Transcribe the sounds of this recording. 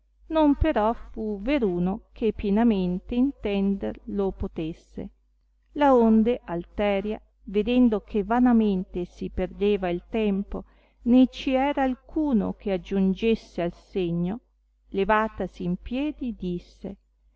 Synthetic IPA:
nompeɾɔfuveɾuːnokʰepːjenament̪eint̪ɛnd̪erlopot̪esːḛ | laond̪eʔalt̪ɛːɾja | ved̪ɛnd̪okʰevanament̪esiperd̪eːvailt̪ɛmpo | net͡ʃiɛːɾaːlkʰuːno̰k̟ʰead͡ʒund͡ʒesːealseɲːo | levaːt̪asiːmpjɛːd̪id̪isːe

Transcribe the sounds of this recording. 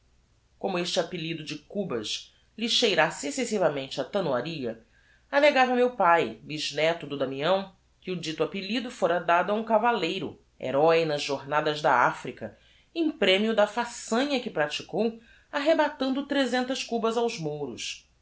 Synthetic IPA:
kõmʊeʃt͡ʃɪapilid̪ʊd͡ʒɪkubɐʃ | lɪʃejɾasesesivɐmẽnt͡ʃɪɐt̪ɐnwaɾiɐ | aleɡavɐmewpajliʒnɛt̪ʊd̪ʊd̪ɐmĩɐ̃w̃ | kɪʊd͡ʒit̪ʊapilid̪ʊfoɾɐd̪ad̪ʊɐũkavalejɾʊ̰ | ḛɾɔjnɐzʒoɾnad̪ɐzd̪ɐafɾikɐ | ẽj̃pɾẽmiʊd̪ɐfasɐ̃ɲɐkɪpɾat͡ʃi̥kow | aɦebat̪ɐ̃nd̪ʊt̪ɾezẽnt̪ɐskubɐzawzmoɾʊs

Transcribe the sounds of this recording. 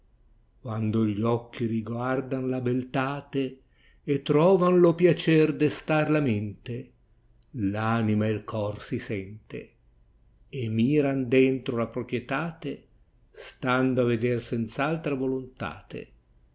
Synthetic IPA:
kwand̪oʎɔkʰːiɾiɡward̪anlabelt̪aːt̪e | et̪ːɾɔːvanlopjat͡ʃɛrd̪est̪arlament̪e | lanimaelkʰɔrsisɛnt̪ḛ | miːɾand̪ɛnt̪ɾolapɾopɾjet̪aːt̪e | st̪and̪oaved̪ersɛnt̪salt̪ɾavolont̪a̰ːt̪ḛ

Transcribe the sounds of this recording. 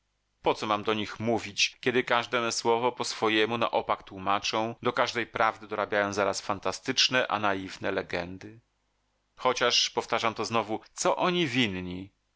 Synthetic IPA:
pɔt̪sɔmamd̪ɔɲixmuvʲit͡ɕkʲɛd̪ɘkaʐd̪ɛswɔvɔpɔsfɔjɛmuna̰ʔɔpakt̪wumat͡ʂɔ̃w̃d̪ɔkaʐd̪ɛjpɾavd̪ɘd̪ɔɾabʲjajɔ̃w̃zaɾasfant̪ast̪ɘt͡ʂnɛʔa̰najivnɛlɛɡɛnd̪ɘ | xɔt͡ɕaʂpɔft̪aʐamt̪ɔznɔvut̪sɔʔɔɲivʲinɲi

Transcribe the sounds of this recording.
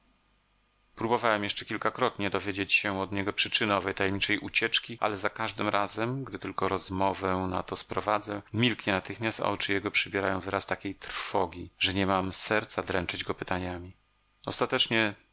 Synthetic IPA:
pɾubɔvawɛmjɛʂt͡ʂɛkʲilkakɾɔt̪ɲɛd̪ɔvʲjed͡ʑet͡ɕɕɛɔd̪ɲɛɡɔpʂɘt͡ʂɘnɔvɛjt̪ajɛmɲit͡ʂɛjʔut͡ɕɛt͡ʂkʲiʔa̰lɛzakaʐd̪ɘmɾʔazɛmɡd̪ɘt̪ɘlkɔɾɔzmɔvɛna̰t̪ɔspɾɔvad̪zɛmʲilkɲɛnat̪ɘxmʲast̪a̰ɔ̰t͡ʂɘjɛɡɔpʂɘbʲjɛɾajɔ̃w̃vɘɾast̪akʲejt̪ɾ̥fɔɡʲiʐɛɲɛmamsɛɾt̪sad̪ɾɛnt͡ʂɘd͡ʑɡɔpɘt̪aɲamʲi | ɔst̪at̪ɛt͡ʂɲɛ

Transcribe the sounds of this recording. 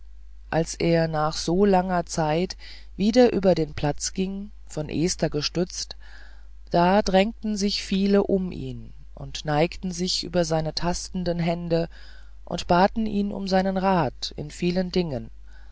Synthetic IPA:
ʔalsʔeːɐnaːχz̥oːlaŋɐt͡saɪt | viːdɐʔyːbɐdeːnpʰl̥at͡sɡ̥ɪŋ | fɔnʔeːstɐɡəʃtʏt͡st | d̥aːdʁɛŋtn̩zɪçfiːləʔʊmʔḭːn | ʔʊ̰ntnaɪktn̩zɪçʔyːbɐzaɪnətʰastn̩dənɦɛndə | ʔʊ̰ntb̥aːtn̩ʔiːnʊ̰mzaɪnənʁaːtɪ̰nfiːləndɪŋən

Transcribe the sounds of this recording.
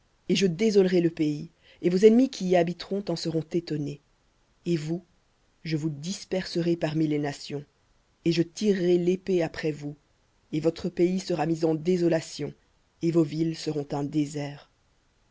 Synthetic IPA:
eʒəd̪ezɔlʁeləpei | evozɛnmikʲʰiːabit̪χɔ̃t̪ɑ̃səʁɔ̃t̪et̪ɔne | evu | ʒəvud̪ispɛʁsəʁepaʁmilenasjɔ̃ | eʒət̪iʁːelepeapχɛvu | evɔt̪χəpeisəʁamizɑ̃d̪ezɔlasjɔ̃ | evovilsəʁɔ̃t̪ɛ̃d̪ezɛːʁ

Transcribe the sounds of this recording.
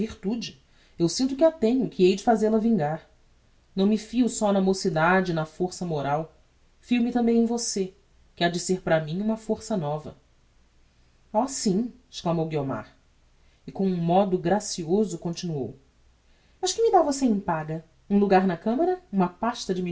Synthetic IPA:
viɾt̪ud͡ʒɪ | ewsĩnt̪ʊkɪat̪ẽɲʊkʰɪejd͡ʒɪfazelɐvĩŋɡaɾ | nɐ̃w̃mɪfiʊsɔnɐmosid̪ad͡ʒɪnɐfoɾsɐmoɾaw | fiumɪt̪ɐ̃mbẽj̃ẽj̃vose | kɪad͡ʒɪseɾpɾɐmĩɲũmɐfoɾsɐnɔvɐ̰ | ɔsĩɪ̥ʃklamowɡioma̰ɾ | ɪkõũmɔd̪ʊɡɾasiozʊkõnt͡ʃinuo̰w | mɐʃkɪmɪd̪avoseẽpaɡɐ | ũluɡaɾnɐkɐ̃mɐɾɐũmɐpaʃt̪ɐd͡ʒɪmi

